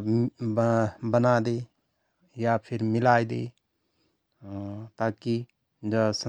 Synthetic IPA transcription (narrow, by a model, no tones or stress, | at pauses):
bənad̪e | japʰɪɾmɪlaːjd̪ḛ | t̪aːki | d͡ʒəsə